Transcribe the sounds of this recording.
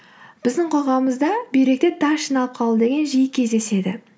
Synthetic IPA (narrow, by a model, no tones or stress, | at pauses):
b̥ɪzd̪ɪɴqʰoʁɑməzd̪ɑbejɾe̞k̚t̪et̪ʰɑʃinɑlˠəp̚qʰɑlˠd̪əd̪e̞ɡʲe̞nʒijəkʲʰe̞zd̪e̞se̞d̪ɪ